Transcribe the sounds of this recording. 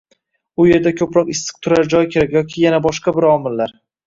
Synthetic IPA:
ʊje̞ɾd̪akʲʰɵpɾɒqɪst̪ɨ̥q̚t̪ʰʊɾaɾd͡ʒɒjkʲʰe̞ɾakʲjɒkʲʰɪjanabɒʃqɑbɪɾɒmɪlːaɾ

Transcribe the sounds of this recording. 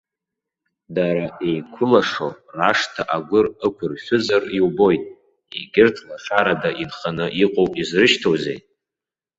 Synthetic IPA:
daɾaejkʷʰʊlaʂo̞̰raʂtʰaʔaɡʷʊrəkʷʰʊrʃʷᶣʊzariwbo̞jtʼ | ḛɡʲɪrtʰlaʂaɾadaʔinχanɨʔiqʼowpʼizrɨʃtʰowzḛj

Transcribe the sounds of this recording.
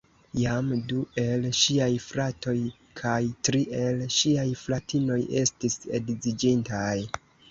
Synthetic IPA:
jamduʔe̞lʃiajfɾato̞j | kʰajtɾiʔe̞lʃiajflatʰino̞je̞stise̞̰dzid͡ʒintaj

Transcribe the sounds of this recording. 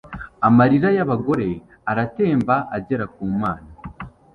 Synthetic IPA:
amaɾiɾajaβaɡo̞ɾe̞ | aɾate̞ːmbaʔaɟeɾakuːmaːna

